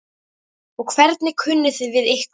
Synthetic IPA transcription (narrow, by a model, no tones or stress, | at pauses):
ɔɣkʰvɛɾt̪nɪkʰʏnːɪθɪðvɪðehk